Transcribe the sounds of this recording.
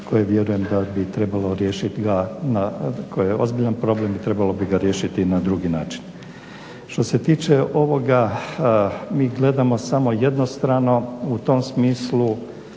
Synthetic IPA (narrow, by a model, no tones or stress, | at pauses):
ko̞jeʋje̞ɾuje̞md̪abit̪ɾe̞balˠo̞ɾje̞ːʃit̪ɡanakʰojjeo̞̰zbiʎanpɾo̞blemit̪ɾe̞balo̞biɡaɾje̞ːʃit̪inad̪ɾuɡina̰ːt͡ʃi̥n | ʃt̪o̞se̞t̪iːt͡ʃe̞ʔo̞ʋo̞ɡa | miːɡle̞d̪amo̞samo̞je̞d̪no̞st̪ɾano̞ut̪o̞msmiːslu